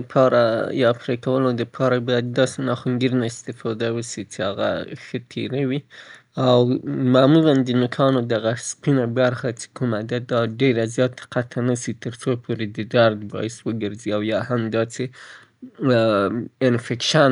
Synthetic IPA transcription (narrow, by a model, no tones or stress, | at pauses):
pʰɑɾajɑpɾekawəlod̪əpʰɑɾabɑjad̪ːɑsenɑxʊŋɡiɾnaɪst̪ɪfɑd̪awəsit͡ʃeaɣa̰xət̪ʰeɾawi | awmamuland̪ənʊkʰɑnod̪aɣaspinabaɾxat͡ʃe̥kumad̪ad̪ɑɖeɾazjɑt̪ḁqat̪ʰanasit̪əɾsopʰoɾed̪əd̪aɾd̪bɑ̰ɪswəɡəɾziawjɑhamd̪ɑse | ɪnfekʃan